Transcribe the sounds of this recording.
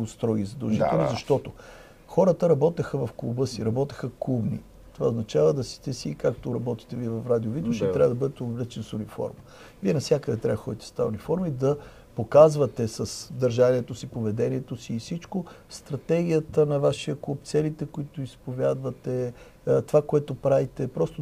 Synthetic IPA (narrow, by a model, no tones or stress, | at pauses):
st̪ɾɔɡʲizɐd̪ɐlˠʒit̪ɛlˠnizɐʃt̪ɔt̪o | xɔɾət̪əɾɐbɔt̪ɛxəvɐfklˠṵbəsiɾɐbɔt̪ɛ̥xəklˠubnḭ | t̪ova̰oznɐt͡ʃavəd̪ɐsi̥t̪ɛsikak̚t̪oɾɐbɔt̪i̥t̪ɛviɛvɐfɾad̪iovit̪uʃɛt̪ɾʲavəd̪ɐbɤd̪ɛt̪ɛolɛt͡ʃɛnsʊnifɔ̰ɾmə | viɛnɐfsʲjakəd̪ɛt̪ɾʲavəxɔd̪it̪ɛ̥st̪aunifɔɾməid̪ɐ | pokazvət̪ɛsɐsd̪ɐɾʒaniɛt̪osipovɛd̪ɛniɛt̪osiːsit͡ʃkost̪ɾɐt̪ɛɡʲijət̪ənɐvaʃiəklˠup̚t̪sɛlit̪ɛkoit̪oispovʲjad̪vɐt̪ɛ | t̪ovakoɛt̪opɾavit̪ɛpɾɔst̪o